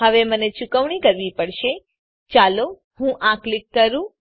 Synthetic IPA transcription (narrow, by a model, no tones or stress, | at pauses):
əʋemənet͡ʃʊkəʋɳikəɾʋipəɽʃe | t͡ʃalo | hũʔãklɪkːəɾũ